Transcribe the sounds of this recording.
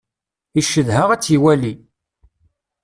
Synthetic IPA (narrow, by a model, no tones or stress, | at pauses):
iʃːəðhəʁæt͡sːiwæli